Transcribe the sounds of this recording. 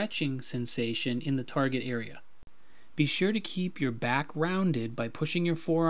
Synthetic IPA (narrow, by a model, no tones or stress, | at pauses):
ɛt͡ʃɪ̃ŋsɛ̃nseɪʃɨ̃nɨ̃nðɨtʰɑɹɡɨɾɛɹiɨ̰ | b̥iʃʊɹɾɨkʰipʰjə˞bækʰɹãʊ̃ndɪd̚baɪpʰʊʃɪ̃ŋjə˞fɔɹ